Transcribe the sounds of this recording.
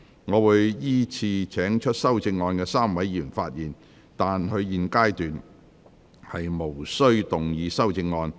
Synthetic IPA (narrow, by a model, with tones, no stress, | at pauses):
ŋɔː˨˧wuː˨˧jjiː˥t͡sʰiː˧t͡sʰɛː˨˥ŋt͡ʃʰɵ˥t̚sɐ˥wt͡sɪ˧ŋːɔː˧nkɛː˧saː˥mwɐ˨˥jːiː˨˩nfaː˧t̚jiː˨˩n | t̪aː˨nhɵ˧ɥjiː˨nkaː˥jt̪yː˨n | hɐ˨jmo˨˩wsɵ˥ɥt̪ʊ˨ŋjiː˨˧sɐ˥wt͡sɪ˧ŋːɔː˧n